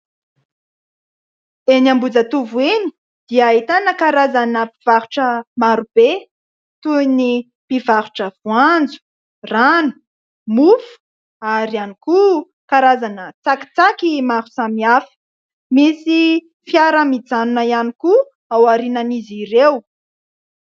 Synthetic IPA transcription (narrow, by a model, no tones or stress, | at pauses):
enambud͡zət̪uvueni̥ | d̪̥iəːit̪anəkaɾazanəpiv̥aɾuʈ͡ʂəmaɾub̥e | t̪uini | pivaɾuʈ͡ʂəv̥uand͡zu̥ | ranu̥ | mufu̥ | aɾianiku | kaɾazanət͡saki̥t͡sakimaɾu̥samiafə̥ | misi | fjaɾəmid͡zanunajaniku | awaɾinaniziɾew